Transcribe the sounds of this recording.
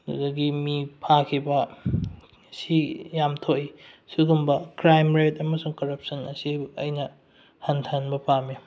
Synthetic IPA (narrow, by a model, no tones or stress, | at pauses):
dṵdɐɡimipʰakʰibɐ | sijamtʰoʔisuɡumbɐkɾajmɾetɐmɐsuŋkɐɾɐp̚sɐnɐsiɐ̰jnɐ | hɐntʰɐnbɐpʰami